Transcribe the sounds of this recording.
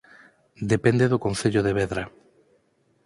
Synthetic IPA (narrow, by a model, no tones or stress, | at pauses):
d̪epend̪eðʊkonθeʎoðeβɛðɾɐ